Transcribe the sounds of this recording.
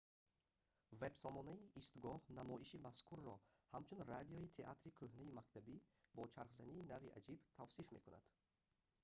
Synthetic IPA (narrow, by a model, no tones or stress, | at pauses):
ve̞bsɔmɔnaiʔːst̪ɡɔhnamɔʔiʃimaskʰuɾːɔhamt͡ʃʰunrad̪iɔit̪ʰe̞ʔa̰t̪ɾikʰɵhnaimakt̪ʰabibɔt͡ʃʰaɾχzaniːnaviʔa̰d͡ʒibt̪ʰavsifme̞̰kʰuna̰d̪̥